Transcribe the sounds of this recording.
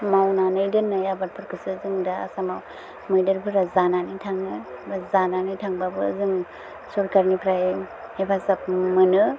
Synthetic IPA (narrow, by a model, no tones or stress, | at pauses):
mawnanɯjdɯnːɯjabat̚pʰɯɾkʰɯsɯzɯŋdaa̰samaw | mɯjdɯɾpʰɯɾazananɯtʰaŋɯbazananɯjtʰaŋbabɯzɯŋ | sɔɾkaɾnipʰɾajepʰasap̚mɯnɯ